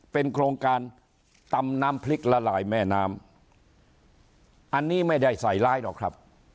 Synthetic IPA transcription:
pe˧nkʰɾoː˧ŋkaː˧n | t̪a˧mnaː˦˥mpʰli˦˥k̚la˧laː˩˦jmɛː˥˩naː˦˥m | ʔa˧nːiː˥˩ma˥˩jda˥˩jsa˨˩˦jlaː˦˥˩jdɔ˨˩kʰɾa˦˥p̚

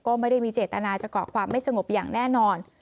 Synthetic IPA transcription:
kɔː˥˩ma˥˩jda˥˩jmiː˧t͡ɕeː˨˩t̪ːa˧naː˧t͡ɕa˨˩kʰɔː˩˦kʰwaː˧mːa˥˩jsa˧ŋo˨˩p̚jaː˨˩ŋnɛː˥˩nɔː˧n

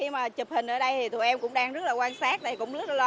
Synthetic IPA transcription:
i˧maː˨˩t͡ɕp̚hï˨˩ŋ̟ʔəː˧˩ɗə˧jt̪ʰi˨˩t̪u˨˩jʔɛ˧mkʊ̰˧˥ŋ͡mɗaː˧ŋzə˦˥t̚laː˨˩kwaː˧nsaː˦˥k̚t̪aː˨˩jkʊ̰˧˥ŋ͡mzə˦˥t̚lːl

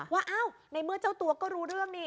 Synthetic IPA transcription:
waː˧˩ʔaː˧˥˩w | na˧˥jmɯ˥˩ət͡ɕa˥˩wt̪u˨˧˦ɐkɔː˥˩ɾuː˧˥ɾɯ˥˩əŋniː˧˩

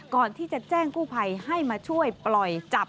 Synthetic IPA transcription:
kɔː˨˩nt̪ʰiː˥˩t͡ɕa˨˩t͡ɕɛː˥˩ŋkuː˥˩pʰa˧jha˥˩jmaː˧t͡ɕʰu˥˩əjplɔ˨˩jt͡ɕa˨˩p̚

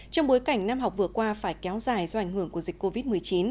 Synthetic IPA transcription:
t͡ɕɔ˧wŋ͡mɓo˨˦jjka˧˩jŋ̟naː˧mɦa˨˩k͡p̚vɨ˨˩əkwaː˧faː˧˩jkɛ˨˦wzaː˨˩jzɔ˧ʔa˧˩jŋ̟hɨ˧˩əŋku˧˩əzi˨˩k̟kːo˧vi˦˥t̚mɨ˨˩əjt͡ɕi˨˦n

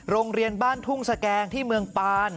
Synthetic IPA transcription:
ɾoː˧ŋɾi˧ənbaː˥˩nt̪ʰu˥˩ŋsa˧kɛː˧ŋt̪ʰiː˥˩mɯ˧əŋpaː˧n

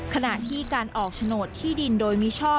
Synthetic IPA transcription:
kʰa˧na˨˩ʔt̪ʰiː˥˩kaː˧nʔɔː˨˩k̚t͡ɕʰa˧noː˨˩t̪ʰːiː˥˩di˧ndoː˧jmi˦˥t͡ɕʰɔː˥˩

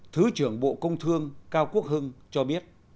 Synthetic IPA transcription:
t̪ʰɨ˨˦t͡ɕɨ˧˩əŋɓo̰˧˨kə˧wŋ͡mt̪ʰɨ˧əŋkaː˧wku˦˥ək̚ɦɨ˧ŋt͡ɕɔ˧ɓi˦˥ət̚

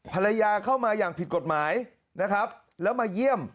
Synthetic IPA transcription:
pʰa˧ɾa˧jaː˧kʰaː˥˩wmaː˧jaː˨˩ŋpʰi˨˩t̪̚ko˨˩t̪̚maː˩˦j | na˦˥kʰɾa˦˥p̚ | lɛː˦˥wmaː˧ji˥˩əm

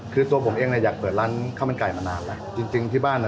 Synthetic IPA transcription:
kʰɯː˧t̪u˧ɐpʰo˩˦mʔeː˧ŋni˧˥˩jaː˨˩k̚pɤː˨˩t̪̚laː˦˥˩nkʰa˥˩ma˧˦nkaː˨˩jma˧naː˧nlɛ˦˥ʔt͡ɕi˧ŋt͡ɕi˧ŋt̪ʰiː˥˩baː˥˩nː˧˩

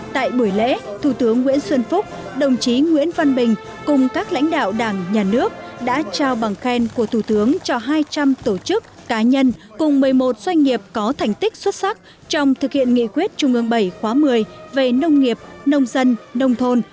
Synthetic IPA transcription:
t̪a̰ː˧˨jɓu˧˩əjlḛ˧˥t̪ʰu˧˩t̪ɨ˨˦əŋːwḭ˧˥ənswə˧nfʊ˦˥k͡p̚ | ɗə˨˩wŋ͡mt͡ɕi˨˦ŋwḭ˧˥ənva˧nɓï˨˩ŋ̟ | kʊ˨˩ŋ͡mkaː˦˥k̚la̰˧˥jŋ̟ɗa̰ː˧˨wɗaː˧˩ŋɲaː˨˩nɨ˦˥ək̚ɗa̰ː˧˥t͡ɕaː˧wɓa˨˩ŋxɛ˧nku˧˩ət̪ʰu˧˩t̪ɨ˨˦əŋt͡ɕɔ˧ɦaː˧jt͡ɕa˧mt̪o˧˩t͡ɕɨ˦˥k̚ːaː˨˦ɲə˧n | kʊ˨˩ŋ͡mmɨ˨˩əjmo˨˩t̚zwa˧jŋ̟ŋi˨˩əp̚kɔ˨˦t̪ʰa˨˩jŋ̟t̪ï˦˥k̟̚swə˦˥t̚sa˦˥k̚ | t͡ɕɔ˧wŋ͡mt̪ʰɨ˨˩k̚hḭ˧˨ənŋḭ˧˨kwi˦˥ət̚t͡ɕʊ˨˩ŋ͡mʔɨ˨˩əŋɓə˧˩jxwaː˨˦mɨ˨˩əjve˨˩nə˧wŋ͡mŋi˨˩əp̚nə˧wŋ͡mzə˧nːə˧wŋ͡mt̪ʰo˧n

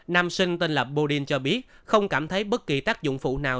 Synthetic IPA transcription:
naː˧msï˧ŋ̟t̪i˧nlə˨˩p̚ɓo˧ɗi˧nt͡ɕɔ˧ɓi˦˥ət̚xə˧wŋ͡mkaː˧˩mt̪ʰə˨˦jɓə˦˥t̚ki˨˩t̪aː˦˥k̚zʊ̰˧˨ŋ͡mfṵ˧˩naː˨˩w

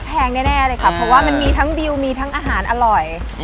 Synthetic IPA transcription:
pʰɛː˧ŋnɛː˥˩nɛː˥˩laɤː˧jkʰa˦˥˩pʰɾɔ˧˥waː˥˩ma˧nmiː˧t̪ʰa˦˥ŋdi˧wmiː˧t̪ʰa˦˥ŋʔaː˧ɦaː˩˦nʔa˧ɾɔ˨˩j

